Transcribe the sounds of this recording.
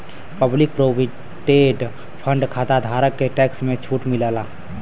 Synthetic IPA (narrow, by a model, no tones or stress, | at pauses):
pəblɪk̚pɾoːbi | ʈeɖ | pʰə̃ɳɖkʰaːt̪ad̪ʱaːɾəkːeʈɛːksmẽt͡ʃʰuːʈmɪləːlaː